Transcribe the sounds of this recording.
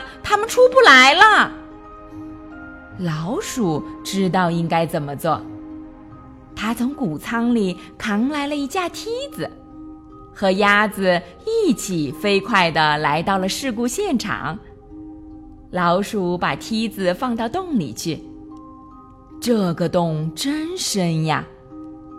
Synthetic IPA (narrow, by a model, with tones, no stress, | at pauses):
t̪ʰa˥mə˨nʈ͡ʂʰu˥pu˥˩la˧˥ɪlə˧ | lɑ˧˥ʊʂu˨˩ʈ͡ʂɻ̩˥t̪̬ɑ˥˩ʊi˥ŋka˥ɪt͡sə˨˩nmə˦t͡swɔ˥˩ | t̪ʰa˥t͡sʰʊ˧˥ŋku˨˩t͡sʰɑ˥ŋli˨˩ | kʰɑ˧˥ŋla˧˥ɪlə˧i˧˥t͡ɕja˥˩t̪ʰi˥d͡z̩˨˩ | xɤ˧˥ja˥d͡zɹ̩˨ | i˥˩t͡ɕʰi˨˩fe˥ɪkʰwa˥˩ɪd̪ə˩la˧˥ɪt̪ɑ˥˩ʊlə˩ʂɻ̩˥˧ku˥˧ɕjɛ˥˩nʈ͡ʂʰɑ̰˨˩˦ŋ | lɑ˧˥ʊʂu˨˩pa̰˨˩t̪ʰi˥d͡zɹ̩˨fɑ˥˧ŋt̪ɑ˥˧ʊt̪ʊ˥˩ŋlḭ˨˩t͡ɕʰy˥˩ | ʈ͡ʂɤ˥˩ɡə˨t̪ʊ˥˩ŋʈ͡ʂə˥nʂə˥nja̰˧